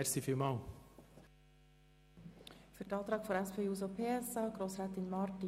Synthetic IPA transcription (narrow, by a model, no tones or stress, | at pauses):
ɛsifiːmɑl | fʏtɑːt̪ɾɑːɡ̥fɔɾɛsfeːuːsopʰeːɛsɑːɡ̥ɾoːsɾaːt̪ɪnmɑɾti